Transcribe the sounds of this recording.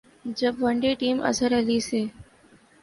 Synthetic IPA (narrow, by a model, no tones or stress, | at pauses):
d͡ʒəbʋəɳɖeʈiːmʔɐ̰səɾɛɦliseː